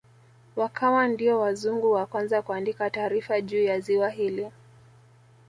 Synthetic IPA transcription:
wakʰawandiɔwazuŋɡuwakwanzakuandikataːɾifaʄuːjaziwaɦili

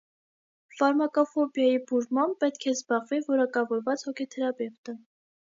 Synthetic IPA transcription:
fɑɾmɑkɔfɔbjɑjibuɾmɑmpɛt̪kʰɛzbɑʁvivɔɾɑkɑvɔɾvɑt͡shɔkʰɛt̪ʰɛɾɑbɛvt̪ə

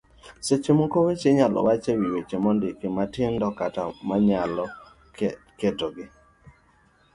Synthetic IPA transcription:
set͡ʃemokowet͡ʃeɲalɔ̰wat͡ʃewiwet͡ʃemɔndɪkɪmatɪndɔkatamaɲalɔ | ketoɡɪ

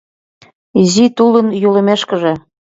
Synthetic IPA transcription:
izit̪ulənjulə̆meʃkə̆ʒĕ

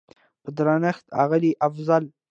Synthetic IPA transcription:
pəd̪ɾɑnəxt̪a̰ɣəliʔafzal

